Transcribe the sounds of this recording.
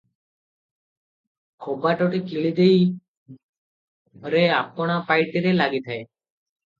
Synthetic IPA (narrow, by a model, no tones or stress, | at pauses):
kʰobaʈoʈikiɭid̪ei | ɦəɾeapɽ̃apaɪʈiɾelaɡit̪ʰae